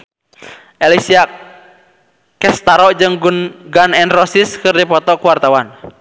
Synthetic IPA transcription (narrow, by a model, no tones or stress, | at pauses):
ʔɛlisia | kɛst̪aɾɔd͡ʒɨŋɡunɡanɛnrɔsiskɨrdipɔt̪ɔkuwart̪awan